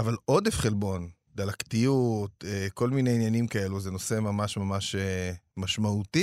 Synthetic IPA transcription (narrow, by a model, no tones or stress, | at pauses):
avalo̞d̪efχelbo̞n | d̪alakt̪ijut̪eko̞lmine̞injanimkae̞luzeno̞se̞mamaʃmamaʃemaʃmauti